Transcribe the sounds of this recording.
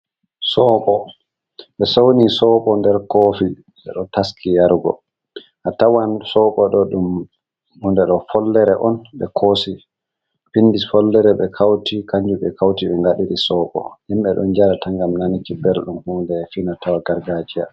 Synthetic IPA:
sɔɓɔ | ɓɛsownisɔɓɔndɛɾkofi | ɗɛ̰ɗɔtaskʰijaɾɡɔ̰ | ʔatawansɔɓɔɗɔɗum | undɛɗɔfɔlːɛɾɛʔɔnɓɛ̰kʰosi | finːdisfɔlːɛɾɛɓɛkʰawtikaɲd͡ʒuɓɛkawtiɓɛŋɡaɗiɗisɔɓɔ̰himɓɛɗɔ̰nd͡ʒaɾatʰaŋɡamnanikibɛɾɗumhudɛfinatawaɡaɾɡad͡ʒija̰

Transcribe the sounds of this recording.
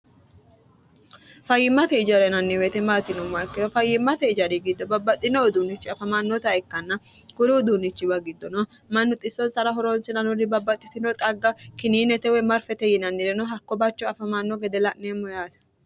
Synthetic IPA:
fɐjːɪmːɐt̪ɛɪd͡ʒɐɾɛnɐnːɪwet̪ɛmaːt̪ɪnɔmːakːɪɾɔfɐjːɪmːɐt̪ɛɪd͡ʒɐɾiɡɪd̪ːɔbɐbːɐt̪ʼːɪnɔːd̪uːnɪt͡ʃːɪɐfɐmanːɔt̪ɐɛkːɐnːɐ | kʊɾud̪uːnɪt͡ʃːɪbɐɡɪd̪ːɔnɔ | mɐnːʊt̪ʼɪsːɔnsɐɾɐɦɔɾoːnsɪnɐnʊɾɪbɐbːɐt̪ʼːɪsɪnɔt̪ʼɐɡːɐkɪniːnɛt̪ɛwɛmɐɾfɛt̪ɛjɪnɐnːɪɾɛnɔɦɐkːɔbɐt͡ʃːɔɐfɐmanːɔɡɛd̪ɛlɐʔneːmːɔjaːt̪ɐ̥

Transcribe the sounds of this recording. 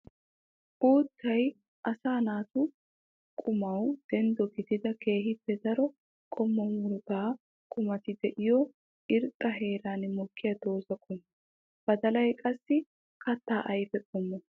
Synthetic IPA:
ʔuːt̪ʰːɐj | ʔɐsaːnaːt̪ʊ | kʼʊmɐwd̪̥ɛnd̪ɔɡɪd̪ɪd̪ɐke̞ːɦɪpːɛd̪ɐɾɔ | kʼɔmːɔmʊɾɡaː | kʼʊmɐt̪ɪd̪ɛʔɪjɔ | ʔɪɾtʼːɐɦe̞ːɾaːnmɔkʰːɪjɐd̪o̞ːzɐkʼʊm | b̥ɐd̪ɐlɐjkʼɐsːɪ | kɐt̪ːaːʔɐjbɛkʼɔmːɔ

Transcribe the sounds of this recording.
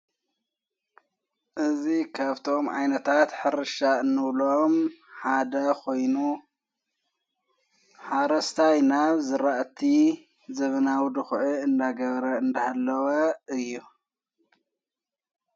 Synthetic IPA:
ʔɨzikʰaβt̪ʰo̞mʕa̰jnɐt̪ʰat̪ħɨɾɨʃaɨnːɨβlomħad̪ɐkʰo̞jnu | ħaɾɐst̪ʰajnaβzɨɾaʔt̪ʰi | zɐβɐnawd̪ɨxʕɨɨnd̪aɡɐβɾɐɨnd̪ɐhalːɐwɐɨjːu

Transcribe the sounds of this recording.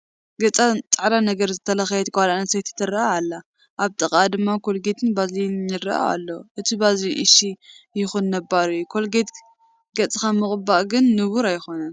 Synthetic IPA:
ɡɐt͡sʼat͡sʼaʕdanɐɡɐɾzɨt̪ʰːɐlɐxjɛt̪ɡwalanɐsejt̪ʰɐ̥t̪ʰːɨɾːɐaalːa | ʔaβt̪ʼɨkʼad̪ɨmːakʰo̞lɡet̪ʰɨnbazlinjɨrɐ̰ʔa̰a̰lːoʔɨt̪ʰibazliʔɨ̰ʃijɪxunːɐbːaɾujukʰo̞lɡet̪ | ɡɐt͡sʼikamɨχʼɨbaʔɡɨnːɨβuɾajxo̞nɐn

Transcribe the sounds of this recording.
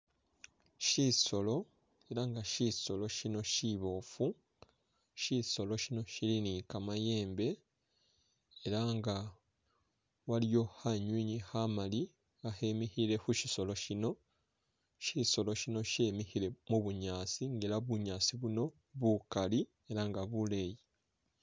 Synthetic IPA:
ʃiso̞lo̞ | e̞ɾaŋɡaʃiso̞lo̞ʃino̞ʃiβo̞ːfu | ʃiso̞lo̞ʃino̞ʃilinikamaje̞ːmbe̞ | eɾaŋɡa | walijo̞haɲwiːɲihamali | ahe̞mihiɾe̞xuʃiso̞lo̞ʃino̞ | ʃiso̞lo̞ʃino̞ʃe̞mihiɾe̞muβuɲaːsiŋɡe̞ɾaβuɲaːsiβuno̞ | βukali | e̞ɾaŋɡaβule̞ji

